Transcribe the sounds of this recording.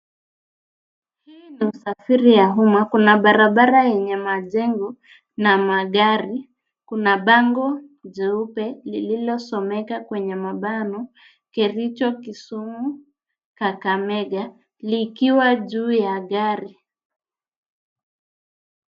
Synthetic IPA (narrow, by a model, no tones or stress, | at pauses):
hiːniusafiɾijaɦumwakunaɓaɾaɓaɾajɛɲɛmaʄɛŋɡɔ | namaɠaɾi | kunaɓaŋɡɔʄɛupɛlililɔsɔmɛkakwɛɲɛmaɓanɔ | kiɾit͡ʃɔkisumu | kakamɛɠa | likiwaʄuːjaɠaɾi